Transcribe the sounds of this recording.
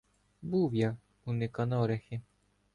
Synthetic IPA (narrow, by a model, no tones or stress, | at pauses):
buwja | unɪkɐnɔɾɛxɪ